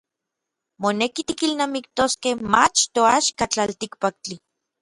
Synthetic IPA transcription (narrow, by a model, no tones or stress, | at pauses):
monekit̪ikilnaːmik̚t̪oskehmat͡ʃt̪oaʃkat͡ɬalt̪ikpak̚t͡ɬi